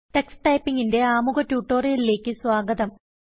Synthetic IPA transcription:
ʈe̞ksʈɐjpːiŋɡinde̞aːmuɣɐtːjuːʈːo̞ːrijilile̞ːkːɨswaːɡɐd̪ɐm

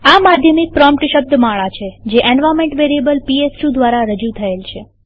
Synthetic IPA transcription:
amad̪ʱjəmik̚pɾɔmp̚ʈʃəb̚d̪ʱmaɭat͡ʃʰed͡ʒeʔɛnʋamẽɳʈʋeɾiebəlpiesʈud̪ʋaɾaɾəd͡ʒut̪ʰəelt͡ʃʰe

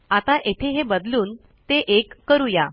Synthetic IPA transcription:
at̪aʔet̪ʰeɦebəd̪luːn | t̪eʔekːəɾuja

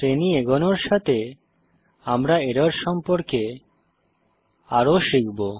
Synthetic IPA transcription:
pɾenieɡɔnoɾʃat̪ʰe | amɾaeɾaɾʃɔmpoɾke | aɾoʃikbo

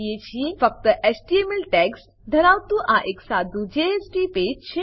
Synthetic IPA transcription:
jet͡ʃʰĩfək̚t̪əʔesʈiemelʈɛks | d̪ʱəɾaːwt̪uʔaʔeksaːd̪ud͡ʒeesʈipeːd͡ʒt͡ʃʰe

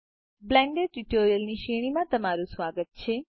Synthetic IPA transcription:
blɛ̃ːɳɖeɖ̚ʈuʈoːɾijəlniʃeɽ̃imãt̪əmaɾũsʋaːɡət̪̚t͡ʃʰeː

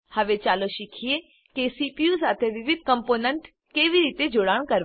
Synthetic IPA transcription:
həʋet͡ʃaːloʃɪkʰije | kesipius̬aːt̪ʰeʋɪʋɪd̪̚ʱkəmpoːnəɳʈ | keːʋiɾiːt̪ed͡ʒoːɽaːɳ̃kəɾ

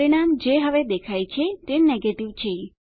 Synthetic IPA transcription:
ɾiɽ̃amd͡ʒeɦəʋed̪ekʰajt͡ʃʰet̪eneɡeʈiʋt͡ʃʰe

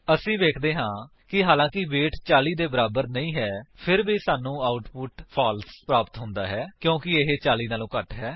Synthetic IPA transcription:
əsĩːʋeːkʰd̪eːɦãː | kɪɦaːlãːkɪʋeːʈʰt͡ʃaːliːd̪eːbəɾaːbəɾnəĩːɦɛːpʰɪɾbiːsaːnũːaːʊʈpʊʈpʰaːlspɾaːpət̪ɦʊ̃nd̪aːɦɛːkjõːkɪeɦeːt͡ʃaːliːnaːlõːkəʈɦɛː

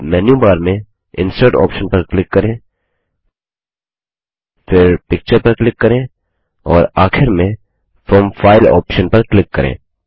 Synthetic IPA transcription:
mɛːnjubaːɾmẽ | ɪ̰̃nsəɾʈɔ̰ːpʃə̃npɐɾklɪkːɐɾẽː | fɪɾpɪk̚t͡ʃəɾpɐɾklɪkːɐɾẽː | ɔːɾaːxʰɪɾmẽ | fɾɔːmfaːɪlɔ̰ːpʃə̃npɐɾklɪkːɐɾḛ̃ː

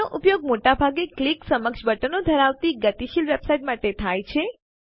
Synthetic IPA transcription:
oʔʊpjoɡ̚moʈabʱaɡekliksəməkʃbəʈənod̪ʱəɾaʋt̪iɡət̪iʃilʋebsaiʈmaʈet̪ʰajt͡ʃʰe

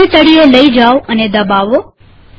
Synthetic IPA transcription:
ẽt̪əɽielɐid͡ʒaːoʔɐned̪ɐbaːʋoː

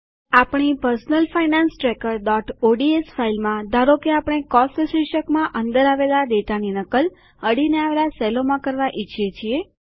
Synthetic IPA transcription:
apɳ̃ipəɾsnəlfajnãnsʈɾekəɾɖɔʈoɖiesfʰailmãd̪ʱaɾokeapəɽ̃ekɔstəʃiʃəkmãʔənd̪əɾaʋelad̪eʈaninəkəl | əɽineaʋelasɛlomãkəɾʋaʔit͡ʃʰjet͡ʃʰie

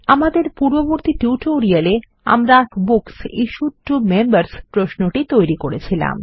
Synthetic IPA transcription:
amad̪eɾpuɾboboɾt̪ʰiʈuʈoɾiale | a̰mɾakbuksiʃuʈːumembaɾspɾoʃnoʈit̪ojɾikoɾet͡ɕʰila̰m

